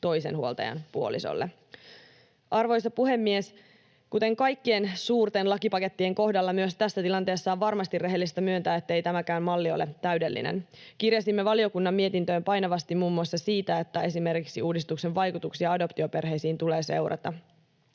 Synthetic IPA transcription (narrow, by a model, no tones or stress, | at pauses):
t̪o̞jse̞̰nhuo̞lt̪ɑ̰jɑ̰npuo̞lḭso̰lːʔḛ | ʔɑrʋo̞jsɑpuhe̞mːie̞s | kut̪e̞ŋkɑjkːiensuːrt̪enlɑkipɑke̞t̪ːieŋko̞hdɑlːɑmyøst̪æsːæt̪ilɑnt̪eːsːɑːʋʋɑrmɑst̪irːe̞ɦelːist̪æmyønt̪æːet̪ːejt̪æmækæymmɑlːio̞̰let̪æyde̞lːḭnḛnkirjɑsimːeʋɑlio̞kunːɑmːie̞t̪int̪øːmpɑjnɑʋɑst̪imuːmːuɑsːɑsiːt̪æe̞t̪ːæe̞sime̞rkiksiuːdist̪ukse̞ʋʋɑjkut̪uksiɑɑdo̞pt̪iope̞rɦe̞jsiːnt̪ule̞ːse̞wɾʔɑ̰t̪ɑ